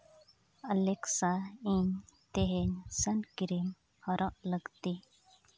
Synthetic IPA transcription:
əleksaiɲt̪eɦensənkiɾim | həɾəʔləɡt̪i

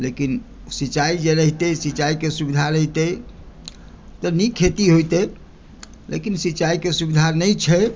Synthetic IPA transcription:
lekin | sit͡ʃaid͡ʒeɾəɦit̪ɛsit͡ʃaikesubid̪ʱaɾəɦt̪ɛ | t̪ɔnikʰet̪iɦojt̪ɛ | lḛkinsit͡ʃaikesubid̪ʱanəjt͡ʃʰɛ

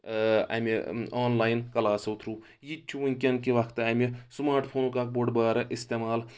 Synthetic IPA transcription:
a̰mʲeaːnlaːjnkɐlaːsɐwt̪ʰɾu | jit͡ʃʰuʋɐŋʲkʲɐnkiʋɐkʰt̪amʲesmaːɾʈpʰoːnukaːk̚boɖbaːɾɐʔist̪eːmaːl

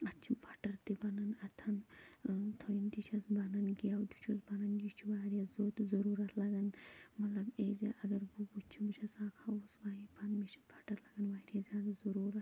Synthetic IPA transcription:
ɐt͡ʃʰibʰɐʈɐɾt̪ibɐnɐnɐt̪ʰɐn | t̪ʰojint̪it͡ʃʰɐsbɐnɐnɡijawd̪ut͡ʃʰusbɐnɐnjit͡ʃʰuʋaːɾʲijɐszoːt̪zɐɾuːɾɐt̪ʰlɐɡɐnmɐt̪lɐbeːziʔɐɡɐɾbubut͡ʃʰibut͡ʃʰɐsaːkʰausʋaːipʰɐnmit͡ʃʰibʰɐʈɐɾlɐɡɐnʋaːiɾɐzʲaːd̪ɐzɐɾuːɾɐt̪

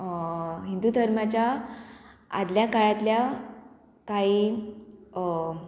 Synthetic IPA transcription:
ɦind̪ud̪ʱəɾmat͡ɕja | a̰d̪ljakaɭat̪lja | kaɦiː

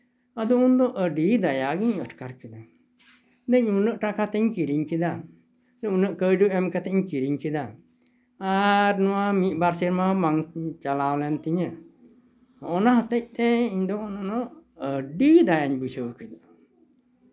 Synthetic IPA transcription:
ad̪ɔund̪ɔʔəɖid̪ajaɡiɲəʈkaɾkid̪a | d̪əɲunəʔʈakat̪ɛɲkiɾiɲkid̪a | sɛunəʔkəjɖuɛmkat̪ɛɲkiɾiɲkid̪a | aɾnɔwamiʔ̪̚baɾsiɾmamaŋt͡ʃalawlɛnt̪iɲə | ɔʔɔnaɦət̪əc̚t̪ɛiɲd̪ɔɔnanɔəɖid̪ajaɲbusəkid̪

